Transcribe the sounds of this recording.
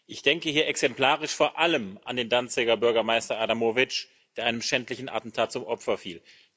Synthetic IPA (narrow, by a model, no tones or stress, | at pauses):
ʔɪçd̥ɛŋkəhiːɐʔɛksɛmpl̥aːʁɪʃfoːɐʔaləmʔandeːndant͡sɪɡɐbʏɐɡɐmaɪstɐʔaːdamoːvɪt͡ʃ | d̥eːɐʔaɪnəmʃɛntlɪçn̩a̰tn̩tʰaːt̚t͡sʊmʔɔpfɐfiːl